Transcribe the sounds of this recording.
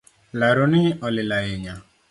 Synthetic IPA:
laɾʊnɪɔlɪlaɪɲa

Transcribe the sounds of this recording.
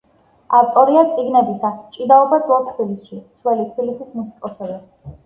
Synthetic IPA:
aft̪ʼɔɾiat̪sʼiɡnɛbisat͡ʃʼid̪aɔbad̪zat̪ʰbilisʃit̪sʰwɛlit̪ʰbilisismusi̥kʼɔsɛbɛ

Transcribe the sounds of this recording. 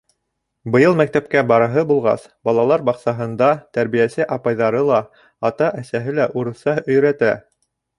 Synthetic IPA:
bɤ̆jɤlˠmæk̚t̪æpkæbɑɾɤ̆ɦɤbulˠʁɑ̰sbɑlˠɑlˠɑɾbɑqsɑɦɤ̆nd̪ɑt̪æɾβijæsɘʔɑpɑjðɑɾɤlˠɑ | ɑt̪ɑʔæsæɦɘlæʔuɾɤ̆sɑɵ̆jɾæt̪æ̰

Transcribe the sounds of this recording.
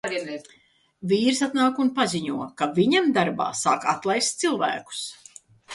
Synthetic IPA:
viːɾsat̪naːkunpazʲiɲuɔkaviɲamd̪aɾba̰ːsaːkat̪lˠajst̪silˠvæ̰ːku̥s

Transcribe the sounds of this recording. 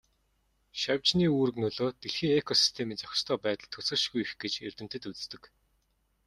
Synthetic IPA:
ʃawʲt͡ɕniːuːrɘ̆ɣnɵɮoːt̪eɮxiːŋekʰɔsi̥st̪ʰemiːnt͡sɔx̆ʲst̪ʰœːpæːt̪ə̆ɮt̪ʰɵsɘ̆rʃɣujxɡet͡ɕḛrʲt̪ɘ̆m̥t̪ɘ̆t̪ut͡sst̪ɘ̆k

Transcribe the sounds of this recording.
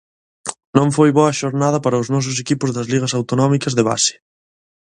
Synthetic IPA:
nõŋfojβɔɐʃoɾnað̞ɐpaɾɐʊznɔs̬ʊs̬ekipʊzðɐzliɣ̞ɐsawt̪onɔmikɐzðeβa̰sɪ̥

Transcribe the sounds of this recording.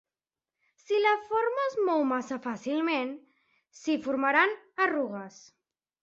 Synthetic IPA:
silafoɾmazmowmasafasilˠmen | sifuɾmaɾanaruɣəs

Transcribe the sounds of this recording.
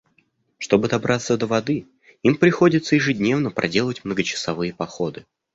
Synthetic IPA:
ʂt̪o̞bɨd̪ɐbɾʔat̪sːəd̪əvɐd̪ɨ | impɾʲɪxo̞dʲɪt̪səjɪʐɨdʲnʲe̞vnəpɾʔɐ̰dʲe̞lˠətʲmnəɡət͡ɕɪ̥sɐvɨjəpɐxo̞d̪ɨ

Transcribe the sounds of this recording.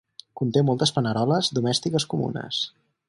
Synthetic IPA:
kunt̪emɔlˠt̪əspənəɾɔləzd̪umɛst̪ikəskumṵnə̰s

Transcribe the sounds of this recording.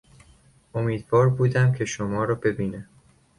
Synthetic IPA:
ʔomiːd̪vɒːɾbuːd̪æmcʰe̞ʃomɒːɾɒːbe̞biːnæ

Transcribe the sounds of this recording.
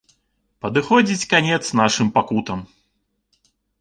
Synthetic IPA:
pɐd̪ɨxɔd͡zʲit͡sʲkanʲɛt̪sn̪aʂɨmpakut̪ɐm

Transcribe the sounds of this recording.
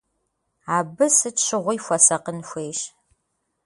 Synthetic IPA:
aːbɨsɨtɕɪʁʷʊjfʷɐsɐqənxʷeːʃ

